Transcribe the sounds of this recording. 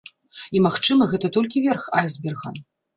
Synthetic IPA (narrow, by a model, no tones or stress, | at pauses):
imaxt͡ʂɨmɐɣɛt̪ɐt̪ɔlʲkʲivʲɛrxajzbʲɛrɣɐ